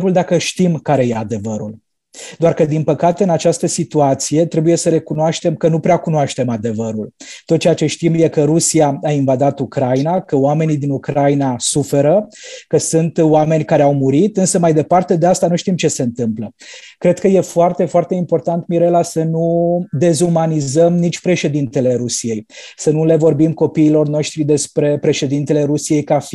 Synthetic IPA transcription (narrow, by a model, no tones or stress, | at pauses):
ɾuld̪akəʃt̪imkaɾe̞jead̪e̞vəɾul | d̪oarkəd̪inpəkat̪e̞ɨnat͡ʃast̪əsit̪uat̪sije̞t̪ɾe̞buje̞səɾe̞kunoaʃt̪e̞mkənupɾeakunoaʃt̪e̞mad̪e̞vəɾult̪ot̪̚t͡ʃejat͡ʃe̞ʃt̪imje̞kəɾusiaainvad̪at̪ukɾajinakəoame̞nid̪inukɾainasufe̞ɾəkəsɨnt̪oame̞nʲkaɾeawmuɾit̪ɨnsəmajd̪e̞part̪e̞d̪e̞ast̪anuʃt̪imt͡ʃe̞se̞ɨnt̪ɨmplə | kɾe̞d̪̚kəje̞foart̪e̞foart̪e̞impo̞rt̪ant̪miɾe̞lasənud̪e̞zumanizəmnit͡ʃʲpɾe̞ʃe̞d̪int̪e̞le̞ɾusije̞jsənule̞vo̞rbimko̞piːlo̞rno̞ʃt̪ɾid̪e̞spɾe̞pɾe̞ʃe̞d̪int̪e̞le̞ɾusije̞jkafi